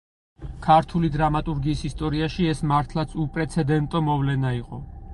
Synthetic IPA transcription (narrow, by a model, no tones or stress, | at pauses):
kʰaɾt̪ʰulid̪ɾamat̪ʼuɾɡiːsist̪ʼɔɾiaʃiɛsmaɾt̪ʰlˠat̪sʰupʼɾɛt̪sʰɛd̪ɛnt̪ʼɔmɔvlɛnaiqʼɔ